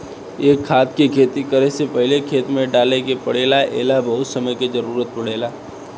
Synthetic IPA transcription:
eːkʰːaːt̪kekʰeːt̪ikəɾesepɐɦɪlekʰeːt̪mẽɖaːlekepɐɽeːlaʔḛːlabɐɦʊt̪sɐməjkezɐɾuːɾət̪̚pɐɽ̤eːlaː

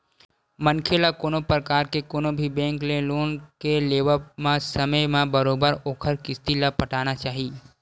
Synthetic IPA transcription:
mənkʰelakoːnõpɾəkaːɾkekoːnõbʱibɛ̃ːŋklẽloːnkeleːʋəmãsəməjmãbɐɾoːbəɾoːkʰəɾkɪst̪ilapɐʈaːnat͡ʃaːɦiː

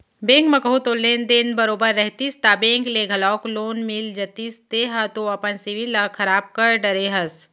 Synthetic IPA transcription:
bẽːŋkmɐkəɦut̪oːlːeːnd̪enbɐɾoːbəɾːɛɦt̪ist̪aːbẽːŋkleːɡʱɐlɔːkloːnmild͡ʒɐt̪ist̪eːɦat̪oɐpənsiʋilɐkʰɐɾaːb̚kɐɾɖɐɾeːɦɐs

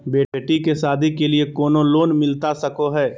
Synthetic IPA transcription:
beːʈikesaːd̪ʱikeliekɔːnoloːnmɪlt̪asɐkoɦɛː

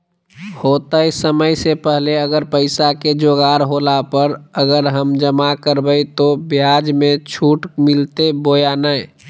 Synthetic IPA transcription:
hoːt̪ajsəməjsepəɦleəɡəɾpəɪsaked͡ʒoːɡaːɾɦoːlapəɾəɡəɾɦəmd͡ʒəmakəɾbəjt̪objad͡ʒmẽt͡ʃʰuːʈmɪlt̪ebojanə

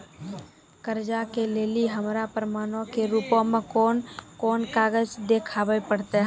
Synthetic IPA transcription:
kəɾd͡ʒakeleːliɦəmɾapəɾəmaːnõkeɾupõmẽkonkoːnkaːɡəd͡ʒd̪ekʰaːbəpəɽt̪eɦ

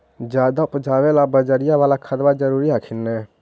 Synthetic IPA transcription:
d͡ʒad̪apd͡ʒaβɛlabəd͡ʒəɾijabalakʰəd̪bad͡ʒəɾuɾiakʰinːɛ

